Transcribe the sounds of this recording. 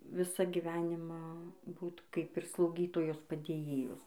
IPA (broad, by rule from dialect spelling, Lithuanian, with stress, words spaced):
ˈʋʲɪsɑː ɡʲɪˈʋʲæːnʲɪmɑː ˈbuːt ˈkɐɪp ɪr slˠɐʊˈɡʲiːtoːjoːs pɐdʲeːˈjeːjoːs